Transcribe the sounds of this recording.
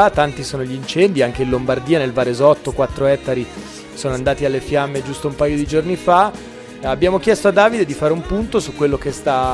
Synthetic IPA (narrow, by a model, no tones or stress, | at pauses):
t̪ːant̪isoːnoʎiint͡ʃɛnd̪iaŋk̟einlombard̪iːanelvaɾezɔt̪ːokwat̪ːɾoɛt̪ːaɾi | soːnoand̪aːt̪ialːefjamːed͡ʒust̪oumpajod̪id͡ʒornifa | abːjaːmok̟jɛst̪oad̪ːaːvid̪ed̪ifaːɾeumpunt̪osukːwelːokest̪a